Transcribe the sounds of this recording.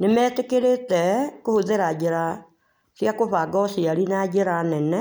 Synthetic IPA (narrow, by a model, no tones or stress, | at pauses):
nemɛːtekeɾetɛkohoðeɾad͡ʒeɾa | siakoβaɡɔsiaɾinad͡ʒeɾanɛnɛ